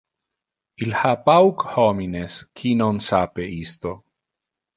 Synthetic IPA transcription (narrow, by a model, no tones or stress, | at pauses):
ilhapawkhomineskʰinonsapeist̪o